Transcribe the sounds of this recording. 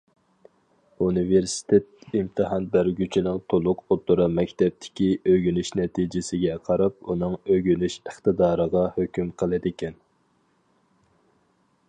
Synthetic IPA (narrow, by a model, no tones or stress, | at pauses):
unɨveɾsi̥t̪ʰet̪̚imt̪ʰɨɦɑnbæɾɡʲyt͡ʃʰinɪŋt̪ʰolˠʊqot̪ʊɾɨmɛkʲt̪ʰɛp̚t̪ʰɪ̥kʲiøɡʲynyʃnɛt̪ʰid͡ʒɪsɪɡʲɛqʰɑɾɑp̚unɨŋøɡʲynyʃəχt̪ɨd̪ɑːɾəʁɑhøkʲymqʰəlˠɪd̪ɪkʲʰɛn